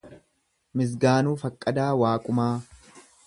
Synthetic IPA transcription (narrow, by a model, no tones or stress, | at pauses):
mɪs̬ɡaːnuːfɐkʼːɐd̪aːwaːkʼʊmaː